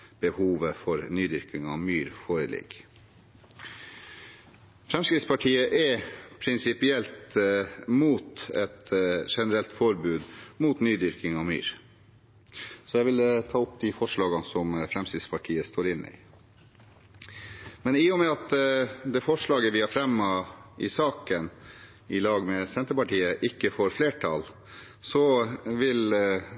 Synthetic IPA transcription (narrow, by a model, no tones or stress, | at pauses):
b̥əhuːʋəfɔɾnyːd̪ʏɾkɪŋɑ̰ʋmyːɾfoːɾəlɪ̰ɡ̥ | fɾɛmskɾɪt̪spɑʈʰiːəʔɛpʰɾɪnsɪpɪɛlt̪ | muːt̪ɛt̪ʂɛnəɾɛlt̪fɔɾbʉːd̪muːt̪nyːd̪ʏɾkɪŋɑʋmy̰ːɾ | sɔjæʋɪlt̪ʰɑːʊpd̪ɪfɔʂɭɑːɡɑnsɔmfɾɛmsɪd̪spʰɑʈʰiːəst̪oːɾɪnːɪ̰ | mɛnɪjʊmɛɑt̪d̪ɛfɔʂɭɑːɡəʋɪhɑɾfɾɛmːɑʔɪsɑːkən | ɪlɑːɡmɛsɛnt̪əɾpɑʈiːəʔɪkːəfoːɾfleːʈʰɑ̰l | sɔʋɪl